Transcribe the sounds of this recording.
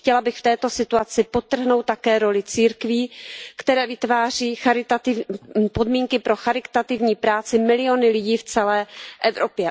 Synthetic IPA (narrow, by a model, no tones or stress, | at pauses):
xcɛlabɪxft̪ɛːt̪o̞sɪt̪uat͡sɪpo̞t̪ːr̩ɦno̞wt̪ːakɛːɾo̞lɪt͡siːɾkviːkt̪ɛɾɛːvɪt̪vaːr̝iːxaɾɪt̪at̪ɪvpo̞dmiːŋkɪpɾo̞xaɾɪkt̪at̪ɪvɲiːpɾaːt͡sɪmɪlɪo̞nɪlɪɟiːft͡sɛlɛːʔɛvɾopjɛ